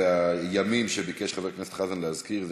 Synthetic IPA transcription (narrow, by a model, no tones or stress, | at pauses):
eajamimʃebikeʃχaveʁknese̥t̪χazanleazkiʁz